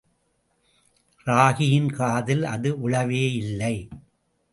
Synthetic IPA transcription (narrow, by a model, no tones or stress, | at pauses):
ɾaːɣɪjɪnkaːðɪlɐ̰ðɯʔʊɭɐʋeːɪlːɐɪ